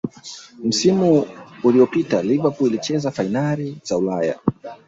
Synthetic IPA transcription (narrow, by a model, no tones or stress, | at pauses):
m̩simuːliɔpitalivapuilit͡ʃɛzafainaliz̥aulaja̰